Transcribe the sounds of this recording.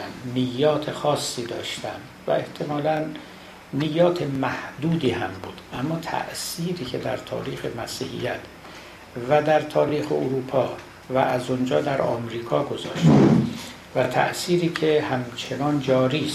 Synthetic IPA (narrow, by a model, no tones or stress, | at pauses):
nijːɒːt̪ʰe̞xɒːsːiːd̪ɒːʃt̪æm | væ̰e̞ht̪ʰe̞mɒːlænː | ijɒːt̪ʰemæhd̪uːd̪iːhæmbuːd̪̥ʔæmːɒːt̪ʰæ̰ʔsiːɾiːcʰe̞d̪æ̰ɾt̪ʰɒ̰ːɾiːxe̞mæsḭːhḭjæt̪ʰ | væd̪æɾt̪ʰɒːɾiːxeoɾuːpʰɒː | væʔæzond͡ʒɒːd̪æɾɒ̰ːmɾiːkʰɒːɡo̞zɒ̰ːʃt̪m | væt̪ʰæ̰ʔsiːɾiːcʰehæmt͡ʃʰenɒːnd͡ʒɒːɾiːs